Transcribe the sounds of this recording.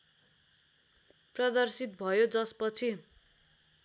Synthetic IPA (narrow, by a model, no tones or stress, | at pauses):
prʌd̪ʌrsit̪̚bʱʌjod͡zʌspʌt͡sʰi